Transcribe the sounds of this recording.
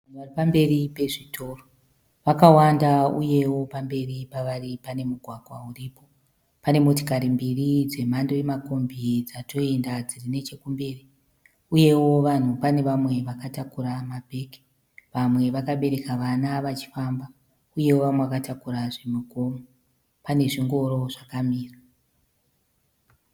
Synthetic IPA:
an̤uʋaripambe̞ripe̞ʐitʰo̞ːro | ʋakawandauje̞wo̞pambe̞ripaʋaripane̞muɡʱwaɡʱwauripo̞ | pane̞mozikaɾimbirid͡ze̞m̤ando̞jemako̞mbʱid͡zato̞e̞ndad͡zirine̞t͡ʃe̞kumbeːri | uje̞wo̞ʋan̤upane̞ʋamwe̞ʋakatakuɾamabʱe̞ːki̥ | ʋamwe̞ʋakaɓe̞ɾe̞kaʋanaʋat͡ʃi̥famba | uje̞woʋamweʋakatakuɾaʐemuɡo̞mo | pane̞ʐiŋɡo̞ɾo̞ʐakamiːra

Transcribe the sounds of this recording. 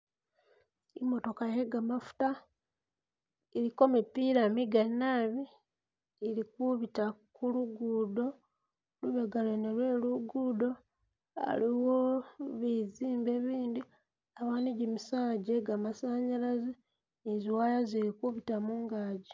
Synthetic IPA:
imo̞to̞kaje̞ɡamafu̥ta | eɾiko̞mipiɾamiɡanaβi | eɾikuβitakuluɡuːdo̞ | luβeɡalenelweːluɡudo̞ | a̰liwo̞βiziːmbe̞βiːndi | aβaːniɟimisaːɟeɡamasaːɲalazi | eziwaːjazeɾikuβitamuːŋɡaːɟi

